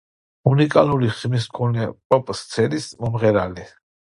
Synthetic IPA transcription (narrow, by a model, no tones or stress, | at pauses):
unikʼaluliχmis̬kʰɔnɛpʼɔpʼst̪sʰɛnismɔmʁɛɾali